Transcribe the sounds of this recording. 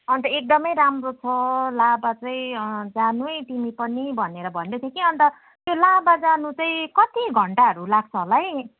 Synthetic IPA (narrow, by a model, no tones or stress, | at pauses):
ʌnt̪ʌek̚d̪ʌmʌjɾamrot͡sʰʌlabat͡sʌĩd͡zanuʌjt̪imipʌnibʱʌneɾʌbʱʌnd̪ʌt̪ʰekiʌnt̪ʌ | t̪jolabad͡zanut͡sʌĩkʌt̪iɡʱʌɳʈaɦʌɾulaɡ̚t͡sʰʌɦolaj